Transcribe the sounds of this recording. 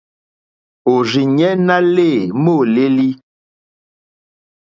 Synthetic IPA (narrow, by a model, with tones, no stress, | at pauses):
o˨zi˨ɲɛ˦na˦le˦˨mo˦˨le˦li˦